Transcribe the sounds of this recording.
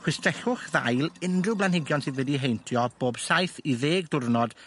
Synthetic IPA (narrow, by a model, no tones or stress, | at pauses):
χwɪstrɛɬʊχðajlˠɪndrɪblˠanhɪɡjɔnsɨðwɛdiɦejntʰjɔb̥oːb̥sajθiðeːɡdʊrnɔd̥